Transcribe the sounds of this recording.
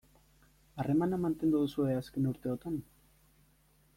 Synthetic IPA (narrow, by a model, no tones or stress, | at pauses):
are̞manamant̪e̞nd̪uð̞usue̞aske̞nuɾt̪e̞ot̪an